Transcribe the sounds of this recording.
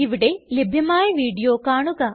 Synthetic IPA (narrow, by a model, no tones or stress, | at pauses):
iʋiɽelebʱjɐmaːjɐʋiːɽijoːkaːɳuɣɐ